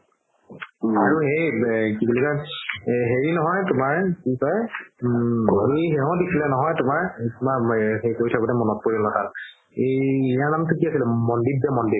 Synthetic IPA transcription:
aɹuɦejkibulika | ɦeɹinɔɦɔjtʊmaɹkisɔj | ejɦeɦɔ̃disʰilɛnɔɦɔjtʊmaɹtumaɦejkoɹjtʰabɔnɛmɔnɔt̚poɹinɔtʰal | eijaɹnamtʰukiasilɛmɔndit̚dɛmɔndi

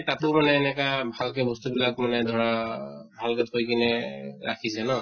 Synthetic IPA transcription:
tatʊɹmanɛːnɛkabʱalkɛbɔstubilakmanɛdʱɔɹabʱalkɛtʰojkinɛɹa̰kʰisɛnɔ

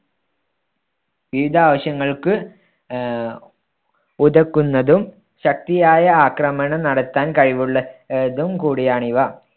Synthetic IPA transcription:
ʋiʋid̪ʱaːʋɐɕjɐŋːɐɭkɨ | uðɐkːunːɐðum | ɕɐk̚t̪ijaːjɐaːkrɐmɐɳɐnɐɽɐt̪ːaːnkɐɻiʋuɭːɐeðumkuːɽijaːɳiʋɐ

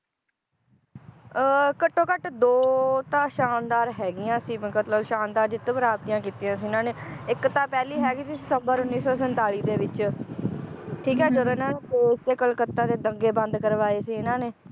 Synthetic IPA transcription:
əkəʈːõːkəʈd̪oːt̪ãːʃaːnd̪aːɾɦɛːɡɪjãːsiːməkət̪ləbʃaːnd̪aːɾd͡ʒɪt̪ːpəɾaːbt̪ijãːkiːt̪iːãːs̬iːɪnãːneːɪkt̪ãːpɛːliːɦɛːɡiːsiːsɪsəmbəɾʊnːiːsɔːsənt̪aːliːd̪eːʋɪt͡ʃ | ʈʰiːkɦɛːd͡ʒəd̪õːɪnãːneːk̪eːɪsd̪eːkəlkət̪ːãːd̪eːd̪əŋɡeːbə̃nd̪kəɾʋaːeːsiːɪnãːneː

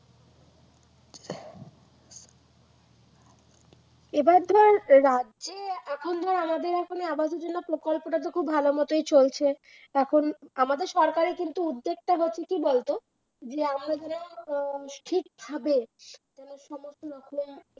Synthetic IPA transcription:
ebaɾd̪ʱaɾːadd͡ʑeɛkʰond̪ʱɔɾamad̪eɾɛkʰoneabaʃeɾd͡ʑonːopɾokolpoʈat̪̬okʰubbʱalomɔt̪ojt͡ɕolt͡ɕʰe | ɛkʰonamad̪eɾʃɔɾkaɾekint̪uud̪ːeɡ̚ʈaɦotːɕʰekibolt̪o | d͡ʑeamɾad͡ʑɛnosʈʰik̚bʰʱabet̪ɛnoʃɔmost̪oɔkʰone

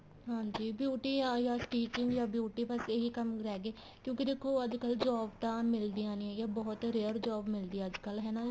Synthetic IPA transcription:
ɦãːɲd͡ʒiːbjuːʈiːajaːʈiːt͡ʃɪ̃ŋɡjaːbjuːʈiːbəseɦiːkəmɾɛːɡeː | kjõːkɪd̪eːkʰːoːəd͡ʒkəld͡ʒaːbt̪ãːmɪld̪iːãːnĩːɛːjaːbɔːt̪ɾeːəɾd͡ʒaːbmɪld̪iːəd͡ʒkəlɦɛːnaː

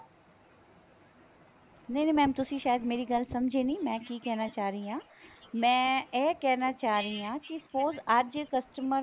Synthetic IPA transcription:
neĩnẽːmɛ̃ːmt̪ʊsĩːʃaːjəd̪meːɾiːɡəlsɐmd͡ʒʱeːnĩːmɛ̃ːkiːkɛɦnaːt͡ʃaːɾəiːãː | mɛ̃ːɛːkɛːnaːt͡ʃaːɾəiãːkispoːzɐd͡ʒkəsʈəmə

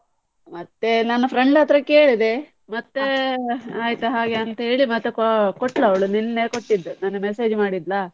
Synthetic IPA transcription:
mɐt̪ːe̞nɐnːɐpʰɾeɳɖɐt̪ɾɐke̞ːɭid̪e̞ | mɐt̪ːeaːjt̪ɐɦaːɡeɐnt̪ɐɦe̞ːɭimɐt̪ːekoʈlɐɐʋɐɭuninneːkoʈːid̪ːunaːnumese̞ːd͡ʒmaːɽid̪lɐː

